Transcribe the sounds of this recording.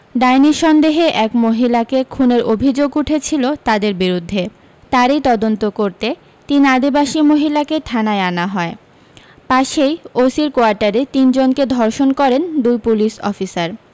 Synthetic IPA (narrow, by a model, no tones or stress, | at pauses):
ɖajniɾʃɔnd̪eɦeʔɛkmoɦilakekʰuneɾobʱid͡ʑoɡuʈʰet͡ɕʰilot̪ad̪eɾbiɾud̪ʱːe | t̪aɾejt̪ɔd̪ont̪okoɾt̪e | t̪iniad̪ibaʃimoɦilakeʈʰanaeanaɦɔe | paʃejosiɾkoaɾʈaɾet̪ind͡ʑonked̪ʱɔɾʃonkɔɾend̪ujpulisɔ̰fisaɾ